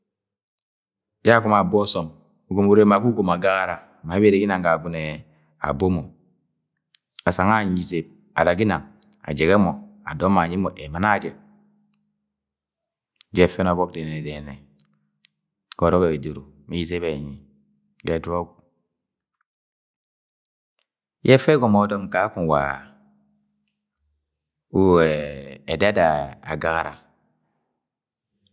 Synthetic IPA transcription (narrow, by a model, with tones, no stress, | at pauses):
d͡ʒku˦ma˨bɔ˦sɔ˨m | u˨ɡo˨mu˨ɾe˦ma˨ku˦ɡo˨ma˨ɡa˦ɣa˦˨ɾa˨ | ma˨˦be˦ɾe˨˦ɡi˦na˨ŋɡa˨ɡu˨nɛ˨ | a̰˨bo˦mɔ˨ | a˨sa˨ŋa˦˨ɲi˨ze˨b̚ | a̰˨da˨ɡi˦na˨ŋ | a̰˨d͡ʒɛ˨ɡɛ˦mɔ˨a̰˨dɔ˦ma˨ɲi˦mɔ˨ʔɛ˨ma˨˦na˦d͡ʒɛ˨ | d͡ʒɛ˦fɛ˦n˨ɔ˨bɔ˦k̚de˨nɛ˨ɛ˨dɛ˨nɛ˨ | ɡ̥ɔ˨ɾɔ˦kɛ˨i˨do˨ɾu˨mi˦i˨ze˦βɛ˨ɲi˨ | ɡɛ˦˨dɾo˦ɡu˨ | jɛ˦fɛ˦ɡɔ˨mɔ˨˦dɔ˦mka˨˦kũ˦˨wa̰˨ | u˦ɛː˨da˦da˨a̰˨ɡa˨ɣa˨ɾa̰˨